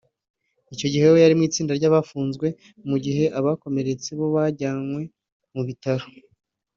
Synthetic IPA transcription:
ico̞ɟihe̞jojaɾimŋiːt͡siːndaɾɟaːβafuːnzɡwe̞ | muɟiɦe̞ʔaβako̞me̞ɾe̞t͡se̞βo̞βaɾɟaːnwe̞ | muβitaɾo

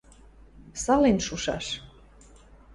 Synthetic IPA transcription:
sɑlenʃuʃɑ̰ʃ

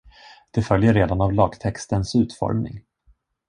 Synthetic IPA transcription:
d̪̥ɛfœljəɾeːd̪anavlɑːɡt̪ʰɛkst̪ənsʉ̟ːt̪fɔ̰ɾmnɪ̰ŋ

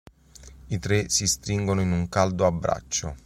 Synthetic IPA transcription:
it̪ɾesist̪ɾiŋɡonoinuŋkald̪oabːɾa̰t͡ʃːo̰

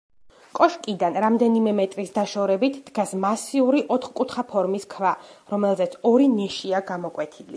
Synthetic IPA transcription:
kʼɔʃkʼid̪anɾamd̪ɛnimɛmɛt̪ʼɾisd̪aʃɔɾɛbit̪ʰd̪̥ɡasmasiuɾiʔɔt̪ʰχkʼut̪ʰχapʰɔɾmiskʰvaɾɔmɛlˠzɛt̪sʰɔɾinɛʃiaɡamɔkʼwɛt̪ʰilḭ

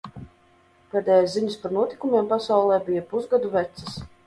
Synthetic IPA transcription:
pɛːd̪ʲɛːjasziɲaspaɾnuɔt̪i̥kumʲjeɛmpasawlˠɛːbijapuzɡad̪uvɛt̪sə̥s

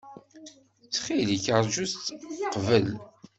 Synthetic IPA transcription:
t͡sːχiliçəɾˤʒust̪qvəl

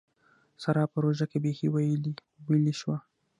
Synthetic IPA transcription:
saɾɑpəɾoʒakebexewajəli | wəliʃwa

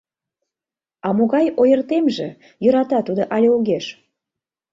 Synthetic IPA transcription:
ɑmoɣɑjojərt̪emʒe | jøɾɑt̪ɑt̪ud̪oʔɑlʲeuɣeʃ

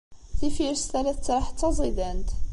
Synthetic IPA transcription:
θifiɾst̪ælæθt͡sːɾˤɑħt͡s̪ːɑzˤid̪ænt̪

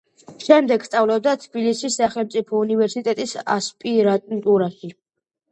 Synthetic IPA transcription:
ʃɛmd̪ɛɡ̥st̪sʼavlɔb̚d̪at̪ʰbilisisːaχɛlˠmt̪sʼipʰɔunivɛɾsit̪ʼɛt̪ʼisa̰spʼiɾat̪ʼnt̪ʼuɾaʃi

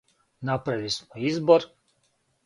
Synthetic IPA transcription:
napɾelismoizboɾ

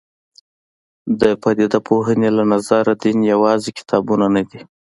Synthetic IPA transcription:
d̪əpad̪id̪apʰoɦənelanazaɾad̪injawɑzekɪ̥t̪ʰɑbunanad̪i

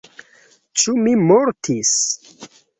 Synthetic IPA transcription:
t͡ʃumimoɾtʰis

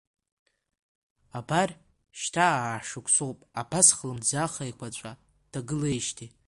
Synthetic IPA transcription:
abar | ʃtʰaːʂɨkʷʰʼsowpʼabasχlɨmd͡zaχajkʷʰat͡ʃʷʼa | d̥aɡɨlejʃtʰi

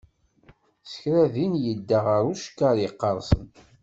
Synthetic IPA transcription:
sə̥çɾæðinjəd̪ːaʁəɾuʃkːaɾjəqːɑɾˤsə̰n

